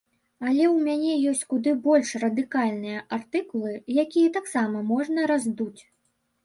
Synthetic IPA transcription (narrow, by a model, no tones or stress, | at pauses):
ɐlʲɛwmʲanʲɛjɔsʲt͡sʲkud̪ɨbɔlʲʂrɐd̪ɨkalʲnɨjɐʔart̪ɨkulˠɨjakʲijɐt̪aksamɐmɔʐnɐɾazd̪ut͡sʲ